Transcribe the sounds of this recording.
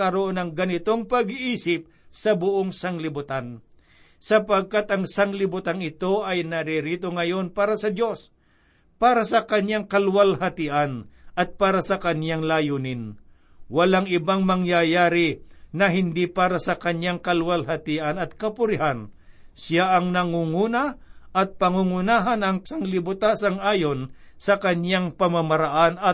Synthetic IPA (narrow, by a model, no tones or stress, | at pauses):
ɐɾoʔonɐŋɡɐnɪt̪o̞ŋpɐɡʔiːsɪp̚ | sɐbʊʔoŋsɐŋlɪbʊt̪an | sɐpɐɡ̚kat̪ɐŋsɐŋlɪbʊt̪aŋɪt̪o̞ʔɐjnɐɾiɾiːt̪o̞ŋɐjo̞npaːɾɐsɐdo̞s | paːɾasɐkɐɲaŋkɐlwalhɐt̪ɪʔanɐt̪̚paːɾasɐkɐɲjaŋlaːjuːnɪn | wɐlaŋɪbaŋmɐŋjajaːɾɪnɐɦɪnd̪ipaːɾasɐkɐɲjaŋkɐlwalɦɐt̪iʔɐnɐt̪kɐpʊɾɪhansjaʔɐŋnɐŋuŋuːnɐʔɐt̪̚pɐŋuŋʊnaːɦɐnɐŋsɐŋlɪbʊt̪aːsɐŋʔaːjo̞n | sɐkɐɲjaŋpɐmɐmɐɾaʔanɐ